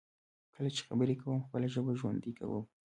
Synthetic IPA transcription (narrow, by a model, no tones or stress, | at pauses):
kəlat͡ʃe̥xabəɾekawəmxpəlaʒəbaʒwa̰nd̪ikʰa̰wə̰m